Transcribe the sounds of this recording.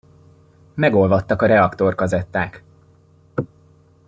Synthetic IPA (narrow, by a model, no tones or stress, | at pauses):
mɛɡo̞lvɒt̪ːɒkɒɾɛɒkt̪o̞rkɒzɛt̪ːaːk